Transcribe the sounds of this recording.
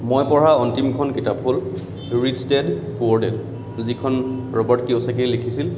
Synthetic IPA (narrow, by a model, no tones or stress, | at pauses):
mojpɔɹaɔntimkʰɔnkitapɦol | ɹidstɛdkuɔɹdɛl | zikʰɔnɹɔbɔɹtkiosak̬ejlekʰisil